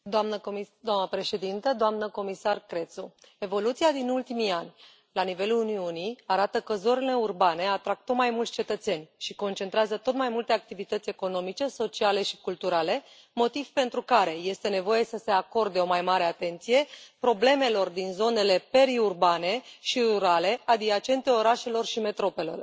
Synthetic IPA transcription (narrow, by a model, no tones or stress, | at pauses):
d̪oamnəd̪owamnəpɾe̞ʃe̞d̪int̪əd̪oamnəko̞misarkɾe̞t̪su | e̞vo̞lut̪siad̪inult̪imianʲ | lanive̞luuniuniaɾat̪əkəzo̞ɾele̞urbane̞at̪ɾak̚t̪ot̪majmult̪ʲt͡ʃe̞t̪ət̪se̞nʲʃiko̞nt͡ʃe̞nt̪ɾeazət̪o̞t̪majmult̪e̞ak̚t̪ivit̪ət̪sʲe̞ko̞no̞mit͡ʃe̞so̞t͡ʃiale̞ʃikult̪uɾale̞ | mo̞t̪iv̥pe̞nt̪ɾukaɾe̞je̞st̪e̞ne̞vo̞je̞səse̞ako̞rd̪e̞o̞majmaɾe̞at̪e̞nt̪sije̞pɾo̞ble̞me̞lo̞rd̪inzo̞ne̞le̞pe̞ɾiurbane̞ʃiruɾale̞ʔad̪iat͡ʃe̞nt̪e̞o̞ɾaʃe̞lo̞rʃime̞t̪ɾo̞pe̞lo̰r